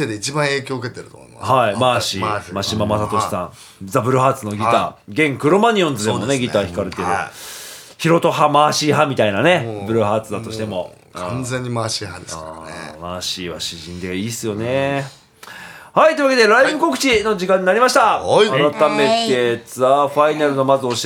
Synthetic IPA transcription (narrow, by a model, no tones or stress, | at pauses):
ed̪eit͡ɕibãɰ̃e̞ːkʲo̞ːɯke̞t̪eɾɯt̪o̰mohaimaːɕḭmaɕimamat̪at̪o̞ɕi̥sã̰ŋ | zabɯ̟ɾɯ̟ɦaːt͡sɨno̞ɡʲit̪a̰ːɡẽ̞ŋkɯ̟ɾomaɲ̟iõ̞nd͡zɨd̪emo̞ne̞ɡʲit̪açi̥kaɾe̞t̪e̞ɾɯ̟ | çiɾo̞t̪o̞ɦamaːɕiːhamʲit̪ainane̞bɯ̟ɾɯ̟ɦaːt͡sɨd̪at̪o̞ɕi̥t̪e̞mo̞ | kʰãnd͡zẽɲ̟ːimaːɕiːhaamaːɕiːβa̰ɕiʑĩnd̪e̞ɡaiːsɨjo̞ne̞ | hait̪oiɯβaked̪e̞ɾaimɯ̟ko̞kɯ̟̥t͡ɕino̞d͡ʑikãɲ̟ːinaɾʲimaɕi̥t̪aaɾat̪ame̞t̪e̞t͡sɨaɸainaɾɯ̟no̞mazɨo̞ɕ